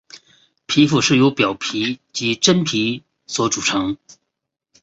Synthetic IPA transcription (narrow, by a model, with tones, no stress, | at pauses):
pʰi˧˥fu˨˩ʂɻ̩˥˩jo˧˥ʊpjɑ˨˩ʊpʰi˧˥t͡ɕi˧˥ʈ͡ʂə˥npʰi˧˥ | swɔ˧˥ʈ͡ʂu˨˩ʈ͡ʂʰɤ˧˥ŋ